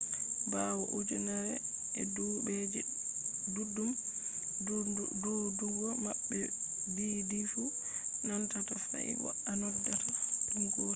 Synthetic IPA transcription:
bawɔʔud͡ʒɛnaɾɛ̰ | ɛdubɛd͡ʒɛ | dudum | dɔduɡɔmaɓːɛ | bidifu | nantatasa̰ḭbɔ̰ | anɔdːatatiŋɡɔːɾ

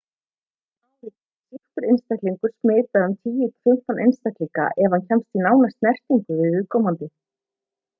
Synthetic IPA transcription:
awvɪ | sihkʏɾɪnst̪ajkliŋkʏɾ̥smɪːt̪aðʏmt̪ʰiːjɪt̪ʰfʏm̥t̪anʔenst̪ak̪liŋka̰ʔɛvancʰɛmst̪inaːwnast̪nɛr̥t̪iŋkʏvɪðɪðkʰɔːmant̪ɪ

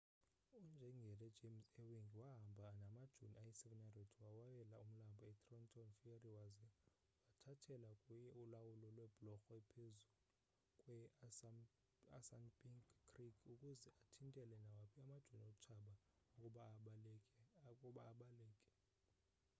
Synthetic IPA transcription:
und͡ʒʱɛŋɡʱɛlɛd̥d͡ʒ̥ʱemsɛwiŋɡiwaɦambʱanamad̥ʒ̥ʱuniajisɛvɛnaretʰwawajɛlaum̩lambʱɔɛtʼrɔntʰʼɔnfiariwazɛ | watʰatʰɛlakʼujɛulawulɔlwɛb̥lɔxɔɛpʰezul | kʼwɛ | asanbʼikʰːrikʰukʼuzɛʔatʰintʼɛlɛnawapʰiamad̥ʒ̥ʱuniot͡ʃʰaɓa | ukʼuɓaːɓalɛkʼɛkʼuɓaːɓalɛːkʼɛ̥

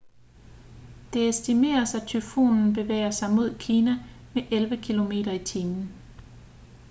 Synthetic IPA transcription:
d̥e̝esd̥ime̝̰ːɐsæt͡sʰyfo̝̰ːnn̩b̥e̝ʋḛːɐsɑ̈ɪmo̝ð̞̰ˠkʰiːnæmeʔelʋəkʰilo̝me̝̰ːɾɐit͡sʰiːmn̩

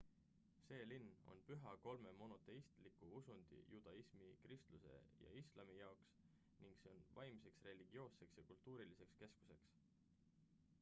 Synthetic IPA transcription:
se̞ːlinːo̞̰npyɦɑko̞lme̞mo̞no̞t̪ːˑe̞ist̪likuusund̪̥ḭjud̪̥ɑismikrist̪luse̞̰jɑ̰islɑmijɑoks | niŋɡ̥se̞onvɑjmse̞ksre̞liɡ̥io̞ːse̞ksjɑkult̪uːɾilise̞kske̞sku̥se̞ks

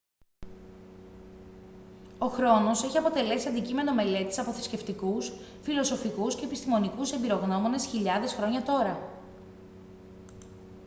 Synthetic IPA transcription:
o̞xɾo̞no̞se̞çiɐpo̞t̪e̞le̞siɐnd̪icime̞no̞me̞le̞t̪i̥sɐpo̞θe̥sce̞ft̪ikus | filo̞so̞fikusce̞ːpist̪imo̞nikuse̞mbiɾo̞ɣno̞mo̞ne̞sçiʎɐðe̞sxɾo̞ɲɐt̪o̞ɾɐ

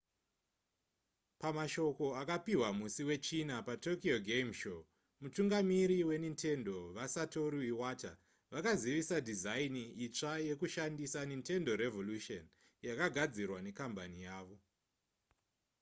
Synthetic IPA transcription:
pamaʃo̞ko̞akapiwamusiwe̞t͡ʃinapato̞kioɡʱemʃo | mutuŋɡamiɾiwe̞nintʰe̞ndo̞ʋasato̞ɾuiwata̰ | ʋakaziʋisadʱizainiit͡ʂaje̞kuʃandisaninte̞ndo̞ɾe̞vo̞luʃon | jakaɡʱad͡zirwane̞kambanijaːʋo̞

